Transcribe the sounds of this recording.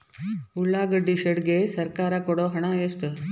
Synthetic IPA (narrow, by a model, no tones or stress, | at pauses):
uɭːaːɡɐɖiʃɐɽɡeːsɐɾkaːɾɐkɔɽoːɦɐɳaesʈɨ